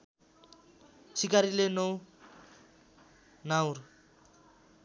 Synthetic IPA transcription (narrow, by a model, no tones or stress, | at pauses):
t͡sʰikaɾilenʌw | naw̃r